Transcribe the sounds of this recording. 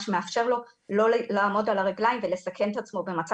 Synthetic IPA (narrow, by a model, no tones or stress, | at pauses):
ʃemeafʃe̞ʁlo̞ | lo̞laːmo̞dalaʁaɡlajimvele̞sakʰe̞nt̪at͡smo̞be̞mat͡sa